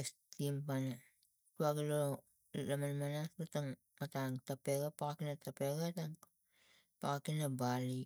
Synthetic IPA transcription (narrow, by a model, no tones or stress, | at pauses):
estimpana | tuaɡilo | lamanmanastotaŋ | mataŋtapeɡapakakinatapeɡataŋ | pakakinabali